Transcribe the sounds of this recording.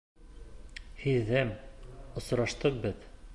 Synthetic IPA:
hiðːæmŏsɾɑʃt̪ɤq̚bɘð

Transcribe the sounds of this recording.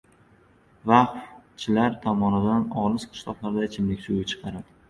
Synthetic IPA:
vaχft͡ʃʰɪlaɾt̪ʰɒmɒnɪd̪anɒlˠɨsqʰɨ̥ʃlˠɒqlˠaɾd̪at͡ʃʰɪmlɪkʲsujt͡ʃʰɨ̥qʰɑɾap

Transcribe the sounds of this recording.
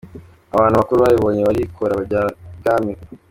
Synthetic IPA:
aβaːnhuβakuɾuβajiβoːɲeβaɾikʰoɾaβaaɡaːmi

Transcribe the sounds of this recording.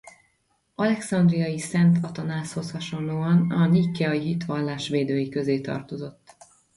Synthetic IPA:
ɒlɛksɒnd̪rijɒjisɛnt̪ʰɒt̪ɒnaːsho̞shɒʃo̞nloːɒnɒnikːɛɒiɦit̪ʋɒlːaːʃʋeːd̪øːjikø̞zeːt̪ɒ̰rt̪o̞zo̞t̪ː

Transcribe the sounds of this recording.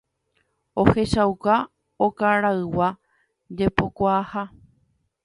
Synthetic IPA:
o̞he̞ʃawka | okaɾaɨwa | d͡ʒepo̞kʷaːha

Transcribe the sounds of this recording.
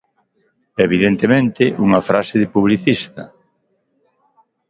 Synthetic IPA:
eβiðent̪emẽnt̪ɪʔuŋɐfɾasɪðɪpuβ̞liθist̪ɐ̰

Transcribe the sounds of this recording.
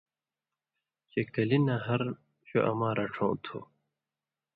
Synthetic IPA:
t͡ɕekɐlinãːɦɐɾ | ɕo̰ʔɐ̰mãːɾɐʈ͡ʂʰõ̰ːt̪ʰo̰ː

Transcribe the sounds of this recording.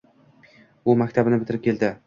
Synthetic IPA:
ʊmakʲt̪ʰabɪnɪbɪt̪ʰɪɾɪp̚kʲʰe̞ld̪ɪ

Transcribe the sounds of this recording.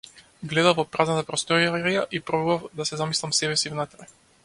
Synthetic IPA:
ɡlɛd̪avvɔpɾaznat̪apɾɔst̪ɔɾiɾijaʔipɾobuvavd̪asɛzamislˠamsɛbɛsivnat̪ɾaj

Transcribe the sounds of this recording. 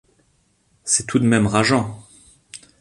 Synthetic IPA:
sɛt̪ʰud̪mɛmʁaʒɑ̃

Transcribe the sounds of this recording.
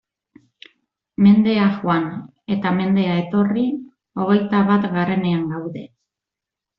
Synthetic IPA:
me̞nd̪e̞axoan | e̞t̪ame̞nd̪eae̞t̪o̞ri | o̞ɣ̞e̞jt̪aβat̪ɡaɾe̞ne̞aŋɡawðe̞

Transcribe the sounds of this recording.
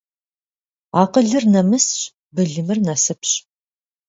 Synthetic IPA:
aːqəɮɨrnɐmɨsɕ | bɨɮɨmɨrnɐsɨpʰɕ

